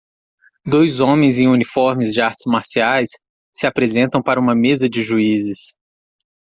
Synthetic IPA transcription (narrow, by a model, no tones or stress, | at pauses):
d̪ojzõmẽj̃zẽj̃unifɔɾmɪzd͡ʒɪaɾt͡ʃɪ̥zmaɾsiajsː | ɪapɾezẽnt̪ɐ̃w̃paɾɐũmɐmezɐd͡ʒɪʒuizɪs